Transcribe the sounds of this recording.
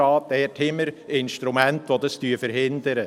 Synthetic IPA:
ɑːt̪ɛtʰhɪməɾɪnʃtɾumænt̪ʋodɑst̪yːfəɾɦɪnd̪əɾə

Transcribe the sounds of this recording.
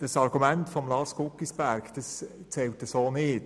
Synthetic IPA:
d̥ɑsɑɾɡ̥umæntfɔmlɑːskʊkːisb̥æɾkd̥ɑst͡sɛwtəsoːnɪːt

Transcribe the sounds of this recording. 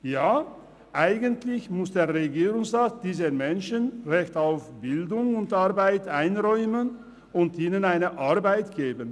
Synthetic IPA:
jaː | ʔaɪɡəntʰlɪçmʊsd̥eːɐʁeɡiːʁʊŋsʁaːt̚d̥iːzəmɛnʃənʁɛçtaʊfb̥ɪldʊŋʊntaɐbaɪtaɪnʁɔʏmən | ʊntiːnənaɪnəʔaɐbaɪtɡ̥eːbən

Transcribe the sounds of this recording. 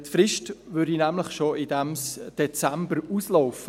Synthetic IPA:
tfɾɪʃtvʏɾdinæmləχʃoɪdɛmsd̥et͡sɛmbəɾuːslɔʊfə

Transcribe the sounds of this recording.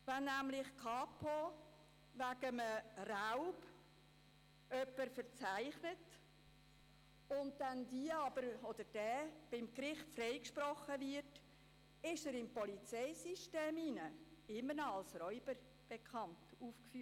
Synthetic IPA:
vɛnːæmlɪχkʰɑːpʰo | væɡəməraʊb | œpːəɾfəɾt͡sæɪχnət | ʊn̚dɛndiəɑb̥əɾɔd̥̪əɾd̥ɛːb̥ɪmkɾɪχtfrɛɪkʃprɔχəvɪɾt | ɪʃəɾɪmpɔlit͡sɛɪsiʃteːminəɪmənɑlsrɔʏb̥əɾ | b̥ɛkʰχɑntuːfkfy

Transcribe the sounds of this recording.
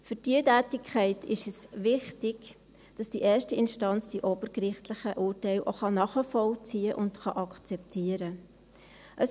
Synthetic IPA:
fʏɾd̥iətæːtɪkʰχɛɪtʰɪʃɛsʋɪχtɪɡ̥ | d̥ɑsd̥iʔɛːɾʃtiɪnʃtɑnt͡sd̥iʔob̥əɾkɾɪχtləχəʔuːɾtɛɪlʔoχɑnɑχəfɔlt͡siːəʔʊndχɑʔɑkt͡sɛp̚tʰiːəɾə | ʔəs

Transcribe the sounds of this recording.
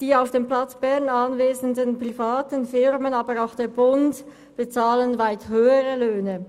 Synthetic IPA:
d̥iːaʊfd̥eːmplat͡sb̥ɛʁnanveːzəndənpʁ̥ifaːtənfɪʁmənaːbəɾaʊxd̥eːɐbʊnd | b̥ət͡saːlənvaɪthøːəʁəløːnə

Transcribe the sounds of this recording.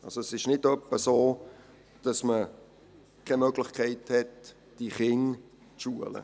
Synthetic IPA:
ʔɑlsoɛsɪʃnɪdœpːəsoː | d̥ɑsmə | kʰɛmœɡlɪχkʰɛɪthɛt | d̥iχɪŋ | t͡sʃuələ̰

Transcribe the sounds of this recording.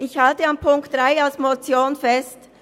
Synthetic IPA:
ʔɪçhaltəampʰʊŋkt̚d̥ʁaɪalsmot͡sjoːnfɛst

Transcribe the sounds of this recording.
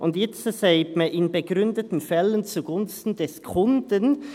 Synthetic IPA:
ʔʊndjɛt͡ssaɪbməʔɪnbəɡɾʏndətn̩fɛlənt͡suɡʊnstn̩dɛskʰʊndən

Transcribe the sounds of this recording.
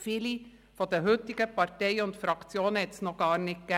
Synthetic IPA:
fɪli | fod̪ɛɦʏt̪ɪɡ̥əpɑɾtɛɪʊnt̪fɾɑkt͡sjoːnhɛt̪snoːɡ̥ɑːɾnɪt̚ɡ̥ɛ

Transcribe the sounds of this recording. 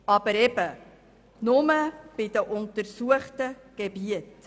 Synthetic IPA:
ɑbəɾɛbə | nʊməb̥idəʔʊntəɾsuəχtə | ɡ̥ebiət

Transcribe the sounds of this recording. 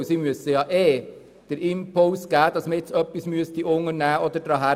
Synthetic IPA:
siːmyəsːəjɑʔeː | d̥əɾɪmpolsɡ̥æːd̪̥ɑsməɛt͡sœpːismyəst̪iʔʊŋːəɾnæːʔɔd̪əɾd̥ɾɑːɦæ

